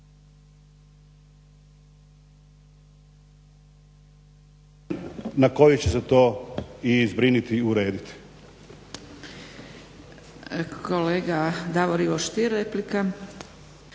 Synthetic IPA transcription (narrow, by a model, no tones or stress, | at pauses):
nako̞jut͡ɕeset̪o̞ːizbɾinit̪iuɾe̞ːd̪it̪i̥ | kʰoleːɡad̪aʋoɾiʋoʃt̪iɾeplika